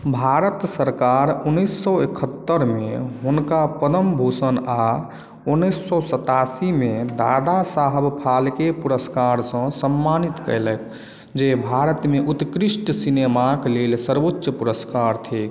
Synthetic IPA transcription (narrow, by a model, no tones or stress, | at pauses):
bʱaɾət̪səɾkaɾunːisːɔekʰət̪ːəɾmeɦunkapəd̪əmbʱusəna | unːəsːɔsət̪asimed̪ad̪asaɦəbpʰalkepuɾəskaɾsə̃səmːanit̪kə̰ɪlət̪ʰ | d͡ʒebʱaɾət̪meʔut̪kɾisʈəsinemaklelsəɾbotːəpuɾəskaɾt̪ʰe